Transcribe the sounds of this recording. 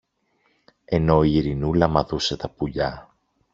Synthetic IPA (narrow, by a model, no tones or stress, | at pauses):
e̞no̞iːɾinulɐmɐðuse̞t̪ɐpuʎɐ